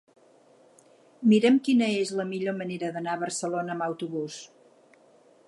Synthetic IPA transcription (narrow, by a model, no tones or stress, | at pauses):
miɾɛmkinəezləmiʎoməneɾəðənaəβ̞ərsəlonəːməwt̪uβus